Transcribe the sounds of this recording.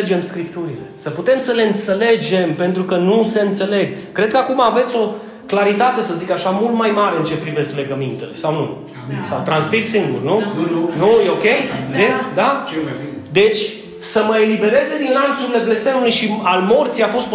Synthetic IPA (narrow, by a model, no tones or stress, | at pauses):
d͡ʒe̞mskɾipt̪uɾile̞səput̪e̞msəle̞ɨnt̪se̞le̞d͡ʒe̞mpe̞nt̪ɾukənuse̞ɨnt̪se̞le̞ɡ | kɾe̞d̪kəakumaːve̞t̪sʲo̞ | klaɾit̪at̪e̞səzikaʃamult̪majmaɾe̞ɨnt͡ʃe̞pɾive̞sk̪le̞ɡəmint̪elesawnu | sawt̪ɾanspirsɨŋɡurnunujeo̞kʲe̞jd̪ed̪a | d̪e̞t͡ʃʲ | səməe̞libe̞ɾe̞ze̞d̪inlant̪suɾile̞blest̪enulujʃialmo̞rt̪sijafo̞st̪